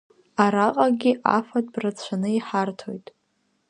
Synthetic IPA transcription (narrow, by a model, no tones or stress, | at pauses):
aɾaqʼaɡʲɪʔa̰fatʼbrat͡sʷʰanɨiħartʰo̞jtʼ